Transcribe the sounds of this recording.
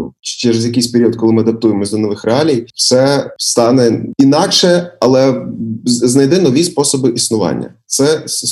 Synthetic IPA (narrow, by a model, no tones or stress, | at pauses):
t͡ʃt͡ʃɛɾɛzjɐkɪjsʲpeɾʲijɔd̪̚kɔlˠɪmɪɐd̪ɐp̚t̪ujemɔzʲlʲɐnɔʋɪxrɛɑlʲijw̥sɛst̪ɑnɛinɑkʃɛɐlˠɛ | znɐjd̪ɪnɔʋʲispɔsɔbɪʔisnʊʋɑ̰nʲːɐ̰t̪sɛ